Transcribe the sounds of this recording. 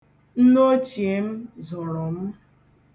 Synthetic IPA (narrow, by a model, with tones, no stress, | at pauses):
n̩˦no˦t͡ʃi˨e˨m̩˦zʊ˨ɾʊ˨m̩˦